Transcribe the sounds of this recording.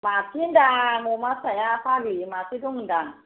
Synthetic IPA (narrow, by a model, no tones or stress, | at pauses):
matindamomasajafaɡimasiduŋndaŋ